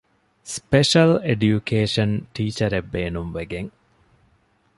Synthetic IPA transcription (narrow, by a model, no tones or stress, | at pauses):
speʃɐleɖjukʰeːʃɐnʈiːt͡ʃɐɾebːeːnumʋeɡeŋ